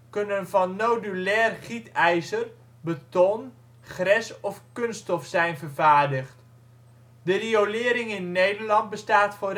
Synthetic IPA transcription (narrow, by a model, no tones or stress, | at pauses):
kɵnənvɑnːowdylɛːrχitɛjzər | bətɔn | χrɛsɔfkɵnstɔfsɛjnvərvaːɹdəχt | dəriolɪːɾɪŋɪnːejdərlɑnt̚bəstaːtfoːr